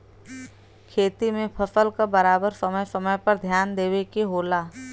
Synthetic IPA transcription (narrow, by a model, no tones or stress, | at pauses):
kʰeːt̪imẽpʰɐsəlkabɐɾaːbəɾsɐməjsɐməjpɐɾd̪ʱjaːnd̪eːwekeɦoːlaː